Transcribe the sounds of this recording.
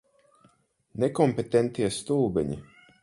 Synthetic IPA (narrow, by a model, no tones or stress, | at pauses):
nekɔmpet̪ent̪iɛst̪ulˠbɛ̰ɲḭ